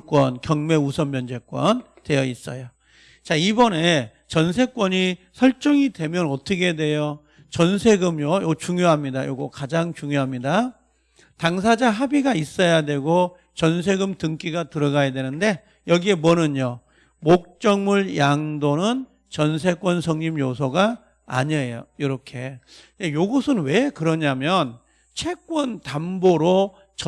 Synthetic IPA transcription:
k͈wʌnkjʌŋme̞usʰʌmmjʌnd͡ʑe̞k͈wʌn | twe̞jʌis͈ʌ̰jo | t͡ɕaibʌne | t͡ɕʌnsʰe̞k͈wʌɲisʰʌɭt͡ɕ͈ʌŋidwe̞mjʌnʌt͈ʌkʰedwe̞jo | t͡ɕʌnsʰe̞ɡɯmjojot͡ɕuŋjoɦamɲidajo̰ɡokad͡ʑaŋt͡ɕuŋjoɦamɲida | taŋsʰad͡ʑaɦabiɡais͈ʌjadwe̞ɡo | t͡ɕʌns̬ʰe̞ɡɯmtɯŋk͈iɡatɯɾʌɡajadwenɯnde̞ | jʌɡie̞mwʌnɯɲo | mok̚t͡ɕ͈ʌŋmuɭjaŋdonɯn | t͡ɕʌnsʰe̞k͈wʌnsʰʌŋɲimjosʰʌɡa̰ː | ɲejojiɾʌkʰe̞jejoɡʌsʰɯnwe̞kɯɾʌɲamjʌn | t͡ɕʰe̞k͈wʌntamboɾo | t͡ɕʌ

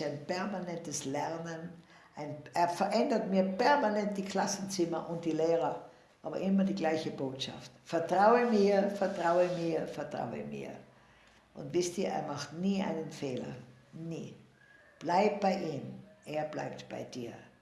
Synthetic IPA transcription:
aɪnpɛɐmanɛntəslɛɐnən | ʔaɪnʔeːɐfɐʔɛndɐtmiːɐpɛɐmanɛnt̚d̥iːkʰl̥asn̩t͡sɪmɐʔʊnt̚d̥iːleːʁɐ | ʔaːbɐ̰ʔɪmɐdiːɡlaɪçəboːtʃa̰ftfɛɐtʁ̥aʊəmiːɐfɛɐtʁ̥aʊəmiːɐfɛɐtʁ̥a̰ʊə̰mḭːɐ | ʔʊ̰ntv̥ɪstiːɐḛːɐmaxtniːʔa̰ɪnənfeːlɐ̰ | niː | b̥laɪt̚b̥aɪʔiːmʔeːɐbla̰ɪptb̥a̰ɪd̥iːɐ

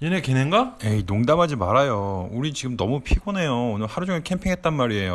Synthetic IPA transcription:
jenekeneŋɡajeinoŋdamɦad͡ʑimaɾajouɾit͡ɕiɡɯmnʌmupʰiɡone̞joonɯɭhaɾud͡ʑoŋekʰe̞mpʰiŋɦe̞t̚t͈anmaɾie̞jo

